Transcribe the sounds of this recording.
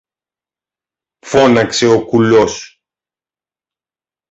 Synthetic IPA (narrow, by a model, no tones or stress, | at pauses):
fo̞nɐkse̞okulos